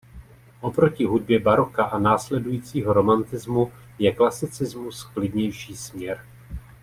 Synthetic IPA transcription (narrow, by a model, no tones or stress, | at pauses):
ʔo̞pɾo̞cɪɦud̚bjɛbaɾokaʔanaːslɛdujiːt͡siːɦo̞ɾo̞mant̪ɪzmu | jɛklasɪt͡sɪzmusklɪdɲɛjʃiːsmɲɛɾ